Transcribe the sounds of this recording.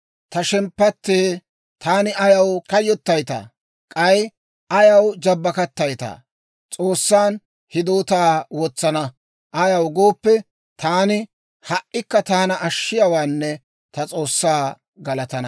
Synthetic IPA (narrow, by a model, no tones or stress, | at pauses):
t̪ɐʃɛmpːɐt̪ːeː | t̪ʰaːnɪɐjɐwkɐjːɔt̪ːɐjt̪a̰ː | kʼɐj | ʔɐjɐwd͡ʒɐbːɐkɐt̪ːɐjt̪a̰ː | t͡sʼoːsːaːn | hɪd̪oːt̪aːwɔt͡sːɐnɐ | ʔɐjɐwɡoːpːɛ | t̪ʰaːnɪ | hɐʔːɪkːɐt̪aːnɐʔɐʃːɪjɐwaːnːɛ | t̪ɐt͡sʼo̞ːsːaː | ɡɐlɐt̪ɐnɐ